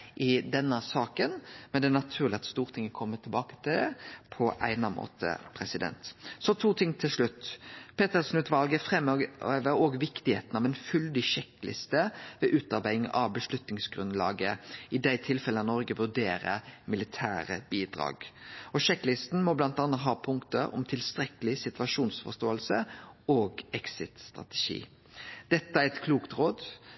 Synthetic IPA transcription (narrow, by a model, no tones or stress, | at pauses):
ʔɪd̪ɛnːəsɑːkənmɛnd̪ɛnɑt̪ʰʉːɾlɪɑt̪st̪uːʁt̪ʰɪŋːəkʰɔmːət̪ʰɪlbɑːkə̥t̪ʰɪld̪ɛpʰɔʔæɪnɑmʔo̰ːt̪ʰə̰pʰɾɛsɪd̪ɛ̰nt̪sɔt̪ʰuːt̪ʰɪŋːt̪ʰɪlʂɭʉt̪ːpʰeːt̪əʁsnʉːt̪ʋɑlɡəfʁɛməøːʋəɾɔːɡʋɪkt̪ɪhḛːt̪n̩ɑʋɛnfʉld̪ɪʃɛkːlʔɪ̰st̪əʋɛːʔʉːt̪ɑɾbæɪɪŋɑ̰ʋbəʂlʉt̪nɪŋsɡɾʉnd̪lɑ̰ːɡəɪd̪æɪt̪ʰɪlfɛlənɔɾɡəʋʉɖeːɾə̰mɪlɪt̪ʰæːɾə̰b̥iːd̪ɾɑ̰ːɡɔʃɛkːlɪst̪n̩mɔblɑnt̪ɑnət̪ɦɑːpʰʊŋkt̪əɔ̰mt̪ʰɪlst̪ɾɛkəlɪsɪt̪ʉɑʂuːnsfɔ̰ʂt̪oːəlsəoːɡɛksɪt̪st̪ʁɑ̰t̪ɛ̥ʃḭː | d̪̥ɛt̪ːəæɾɛt̪kʰluːkt̪ɾoːd̪